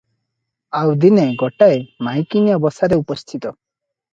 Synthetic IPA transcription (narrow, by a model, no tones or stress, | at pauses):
awd̪ineɡɔʈaemajkinijɔbɔsaɾeupɔst̪ʰit̪ɔ